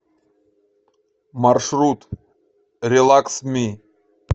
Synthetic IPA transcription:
marʃɾut̪ | ɾʲelˠaksmi

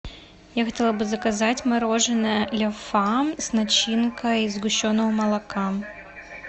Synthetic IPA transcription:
jaxɐtʲelˠɐbɨzɐkɐzatʲmɐɾoʐɨnɨlʲɐfamsnɐt͡ɕinkɐizɡʊɕːonːɔʊmɐlˠɐka

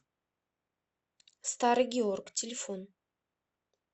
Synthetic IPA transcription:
st̪aɾɡʲeorktʲʰɪlʲɪfon

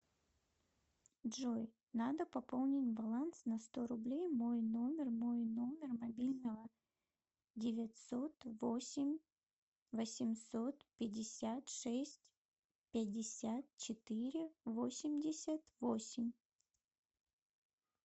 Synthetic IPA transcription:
dʐoj | nad̪əpɐpolˠnʲɪtʲbɐlˠant̪snɐst̪o̞ɾʊblʲejmo̞jno̞mʲɪrmo̞jno̞mʲɪrmɐbʲilʲnəvə | dʲɪvʲɪtʲso̞t̪vosʲɪmʲ | vəsʲɪmso̞t̪pʲɪdʲːɪsʲat̪ʂɛsʲtʲ | pʲɪdʲɪsʲat̪̚t͡ɕɪt̪ɨɾʲɪvo̞sʲɪmʲdʲɪsʲət̪vosʲɪmʲ

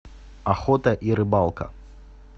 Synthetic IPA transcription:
axɔt̪ɐʔiɾɨbalˠkɐ̰

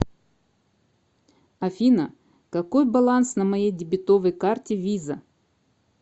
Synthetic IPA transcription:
ɐfʲinə | kɐkojbɐlˠansnɐmɐjejdʲɪbʲɪt̪ovəjkartʲɪvʲizə

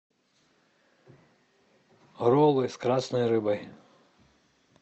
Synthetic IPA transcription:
ɦɾɔlˠɪskɾɑsnɔjɾɪbɐj

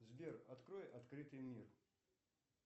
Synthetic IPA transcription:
zbʲerɐt̪kɾojʔɐt̪kɾɨt̪ɨjmʲir

